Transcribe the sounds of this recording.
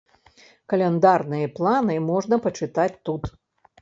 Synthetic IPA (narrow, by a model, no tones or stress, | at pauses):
kɐlʲɛnd̪arnɨjɐplˠanɨmɔʐnɐpɐt͡ʂɨt̪at͡sʲt̪ut̪